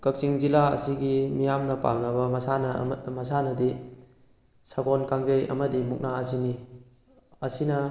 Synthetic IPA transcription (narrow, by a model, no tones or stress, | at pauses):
kɐk̚siŋzilaɐ̰siɡimijamnɐpa̰ŋɐbɐmɐsanɐmɐsanɐdi | saɡonkaŋzɐjɐ̰mɐdimuk̚naɐs̬ini | ɐsinɐ